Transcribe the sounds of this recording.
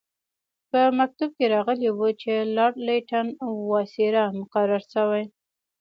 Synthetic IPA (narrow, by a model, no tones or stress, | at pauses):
pəmak̚t̪ab̚keɾɑɣəlewut͡ʃelɑɽleʈanawɑsiɾamʊqaɾaɾʃəwaj